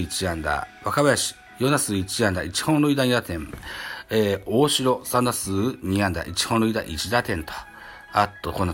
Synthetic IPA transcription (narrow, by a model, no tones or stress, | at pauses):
it͡ɕiãnd̪a̰βakaβajaɕi̥ | jonasɨːit͡ɕiãnd̪ait͡ɕi̥hõnɾɯ̟id̪aɲid̪at̪ẽ̞ŋ | eoːɕiɾo̞sãnd̪asɨːɲ̟iãnd̪a̰ʔit͡ɕi̥hõnɾɯ̟id̪a̰ʔit͡ɕid̪at̪ẽnt̪ʰḁ | at̪ːokonːa